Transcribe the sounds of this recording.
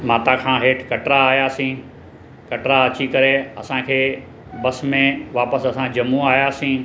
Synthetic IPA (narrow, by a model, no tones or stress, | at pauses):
maːt̪akʰãːɦeːʈʰkɐʈɾaːjaːsĩː | kɐʈɾaɐt͡ɕikɐɾeɐ̰sãkʰeː | bɐsmẽʋaːpəsɐsãd͡ʑɐmuaːjaːsĩː